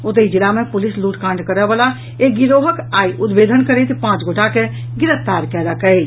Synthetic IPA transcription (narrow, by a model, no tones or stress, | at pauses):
ʊt̪əid͡ʒilamepʊlisluːʈkãːɳɖkəɾɛbəla | ek̚ɡiɾoɦəkaːiʔud̪bed̪ʱənkəɾet̪pãːt͡ʃɡʱoʈake | ɡɪɾəpt̪aɾkɛɾəkə